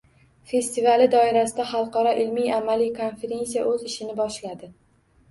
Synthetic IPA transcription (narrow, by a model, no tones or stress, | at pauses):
fe̞st̪ivalɪd̪ɒɪɾasɪd̪aχɑlˠqɒɾɒʔɪlmijamalijkʰo̞nfe̞ɾʲe̞nsija̰ʔɵzɪʃɪnɪbɒʃlad̪ɪ